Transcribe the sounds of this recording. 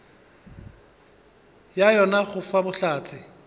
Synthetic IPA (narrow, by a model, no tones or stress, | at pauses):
jajɔnaχʊfabʊɬaːt͡sʰʼɪ